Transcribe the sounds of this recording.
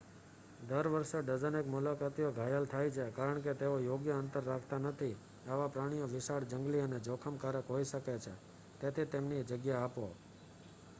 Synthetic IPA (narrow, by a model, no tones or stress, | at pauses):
d̪əɾʋəɾʃeɖəd͡ʒənekmulakat̪ijoɡʱajəlt̪ʰajt͡ʃʰekaɾəɳket̪eojoɡjəənt̪əɾːakʰt̪anət̪ʰi | aʋapɾaɽ̃ijoʋɪsaɽd͡ʒəŋɡliəned͡ʒokʰəmkaɾəkɦoiʃəket͡ʃʰe | t̪et̪ʰit̪emnid͡ʒəɡjaapo